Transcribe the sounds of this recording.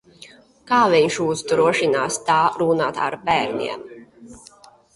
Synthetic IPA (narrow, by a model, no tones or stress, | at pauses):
kaːviɲʃuːzd̪ɾuɔʃinaːst̪aːɾunaːt̪a̰ɾbæːɾnʲḭɛm